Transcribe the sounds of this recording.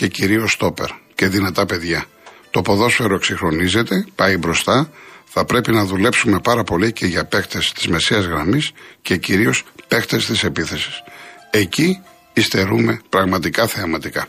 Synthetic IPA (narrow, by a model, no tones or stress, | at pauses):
ce̞ciɾio̞st̪o̞pe̞̰ɾce̞ðinɐt̪ɐpe̞ðʝɐ | t̪o̞po̞ðo̞sfe̞ɾoe̞ksixɾo̞nize̞t̪e̞pɐibɾo̞st̪ɐθɐpɾe̞pinɐðule̞psume̞pɐɾɐpo̞lice̞ʝɐpe̞kt̪e̞st̪i̥zme̞seɐzɣɾɐmisce̞ciɾio̞spe̞xt̪e̞st̪ise̞piθe̞si̥se̞ci | ist̪e̞ɾume̞pɾɐɣmɐt̪ikɐθeɐmɐt̪ikɐ